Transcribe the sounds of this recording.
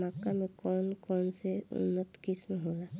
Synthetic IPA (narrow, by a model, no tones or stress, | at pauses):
akːamẽkɔːnkɔːnseʊ̰nːət̪kismeɦoːla